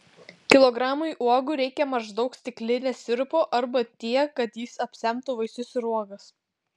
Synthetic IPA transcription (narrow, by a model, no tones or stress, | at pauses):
kʲɪlˠɔɡɾɑːmʊɪʔuɔɡʊɾʲɛɪkʲɛmɐʒd̪ɒʊksʲt̪ʲɪklʲɪnʲɛsʲɪɾpoːʔɐɾbɐt̪ʲiɛkɐt̪jiːsɐpʲsʲɛmt̪ʊʋɐɪsʲʊsɪɾuɔɡɐs